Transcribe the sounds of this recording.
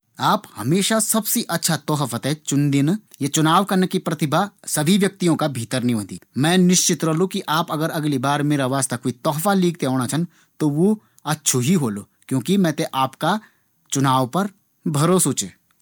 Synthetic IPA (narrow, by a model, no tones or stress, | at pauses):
aːphɐmeːʃasɐbsiʔɐtːʃʰat̪ɔːɦəfət̪ɦɛt͡ʃʊnd̪ɪnjat͡ʃʊnaːʋkɐnekipɾɐt̪ɪbʱasɐbʱiʋjɐk̚t̪ijõkabʱiːt̪əɾnĩõːd̪ḭːmɛ̃ːnɪʃt͡ʃɪt̪ɾɐɦlokiʔaːpɐɡəɾɐɡlibaːɾmeːɾaʋaːst̪akoːit̪ɔːɦfaliːk̚t̪eɦoːɽ̃at͡ʃʰɐn | t̪oʋo | ɐtːʃʰoɦiɦoːloː | kjõːkimɛ̃ːt̪eʔaːpka | t͡ʃʊnaːʋpɐɾ | bʱɐɾoːsot͡ʃeː